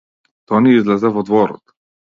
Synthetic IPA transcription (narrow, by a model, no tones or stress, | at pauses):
t̪ɔniizlɛzɛvɔd̪vɔɾɔ̰t̪